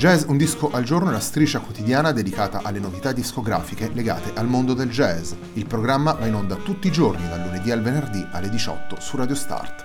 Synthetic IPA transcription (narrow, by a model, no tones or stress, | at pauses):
d͡ʒɛzund̪iskoʔald͡ʒornoelast̪ɾiːt͡ʃakwot̪id̪jaːnad̪ed̪ikaːt̪a̰ʔalːenovit̪ad̪ːiskoɡɾa̰ːfikeleɡa̰ːt̪eʔalmond̪od̪eld͡ʒɛz | ilpɾoɡɾamːavainond̪at̪ut̪ːiːd͡ʒornid̪alːuned̪ialvenerd̪iʔa̰lːed̪it͡ʃɔ̰t̪ːosurad̪jost̪a̰rt̪